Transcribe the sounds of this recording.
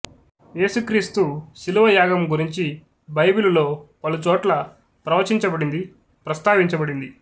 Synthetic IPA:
je̞ːsukɾiːst̪uʃiluʋɐjaːɡɐmɡuɾiɲt͡ʃi | bɐjbilulo̞ːpɐlut͡ʃɔːʈlɐ | pɾɐʋɐt͡ʃiɲt͡ʃɐbɐɽind̪i | pɾɐst̪aːʋiɲt͡ʃɐbɐɽind̪i

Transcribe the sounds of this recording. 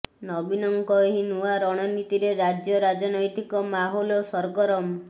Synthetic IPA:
nɔbinɔŋkɔeɦinuaɾɔɽ̃ɔnit̪iɾeɾad͡ʒjɔɾad͡ʒɔnɔjt̪ikɔmaɦɔlɔsɔɾɡɔɾɔm

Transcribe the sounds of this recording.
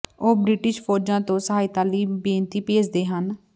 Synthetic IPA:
oːbɾɪʈɪʃpʰoːɾd͡ʒãːt̪õːsəɦaːiːt̪aːliːbẽːnt̪iːpeːd͡ʒd̪eːɦən

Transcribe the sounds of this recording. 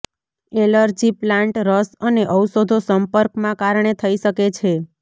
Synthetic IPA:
eləɾd͡ʒiplãɳʈɾəsəneʔəwsod̪ʱosəmpəɾkmãkaɾɳet̪ʰəiʃəket͡ʃʰe

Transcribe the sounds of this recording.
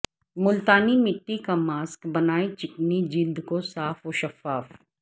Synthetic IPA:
mʊlt̪aːnimɪʈːikamaːskbɐnaːit͡ʃɪknid͡ʒiːld̪kosaːfoʃɐfaːf

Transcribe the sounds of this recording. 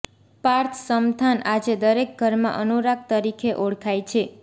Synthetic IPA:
paɾt̪ʰsəmt̪ʰanad͡ʒed̪əɾek̚ɡʱəɾmã̰ʔənuɾak̚t̪əɾikʰeʔoɽkʰajt͡ʃʰe

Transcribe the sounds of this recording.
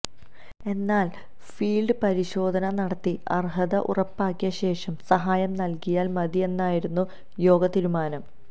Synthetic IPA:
e̞nːaːl | fiːlɖɨpɐɾiɕo̞ːd̪ʱɐnɐnɐɽɐt̪ːiɐrɦɐðɐʔṵrɐpːaːkːijɐɕe̞ːʂɐmsɐɦaːjɐmnɐlkijaːlmɐðie̞nːaːjiɾunːu | jo̞ːɡɐt̪iɾumaːnɐm

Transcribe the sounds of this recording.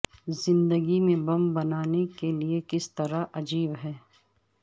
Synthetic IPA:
zɪ̃nd̪əɡimẽbɐmbɐnaːnekeliekɪst̪ɐɾaʔɐd͡ʒiːbɦɛː

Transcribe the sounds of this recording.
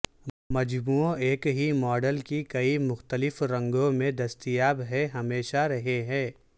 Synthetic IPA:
mɐd͡ʒbuːoeːkɦimɔːɖəlkikɐimʊxt̪əlɪfɾɐ̃ŋɡõmẽd̪ɐst̪ijaːbɦɛ̃ɦɐmeːʃaɾɐɦeɦɛ̃ː

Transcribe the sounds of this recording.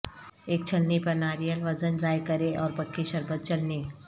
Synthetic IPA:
eːk̚t͡ʃʰənːipənaːɾijəlʋəd͡zənd͡zaːjkəɾeʔɔːɾpəkʰːiʃəɾbʱət̪̚t͡ʃəlniː

